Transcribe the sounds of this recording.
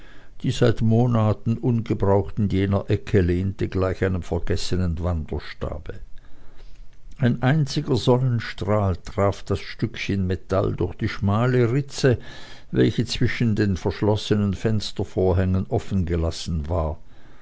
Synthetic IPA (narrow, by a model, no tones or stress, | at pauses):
d̥iːzaɪtmoːnaːtn̩ʔʊnɡəbʁaʊxtn̩jeːnɐʔɛkʰəleːntəɡlaɪçaɪnəmfɛɐɡ̥ɛsənənvandɐʃta̰ːb̥ə | ʔaɪnʔaɪnt͡sɪɡɐzɔnənʃtʁ̥aːltʁ̥aːfd̥asʃtʏkçənmetʰa̰ldʊɐçd̥iːʃmaːləʁɪt͡sə | vɛlçət͡sv̥ɪʃn̩deːnfɛɐʃlɔsənənfɛnstɐfoːɐɦɛŋənʔɔfn̩ɡəlasn̩vaːɐ